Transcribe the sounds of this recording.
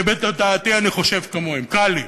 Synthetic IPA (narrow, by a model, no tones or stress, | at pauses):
bet̪lad̪aːt̪ianiχo̞ʃevkamoimkali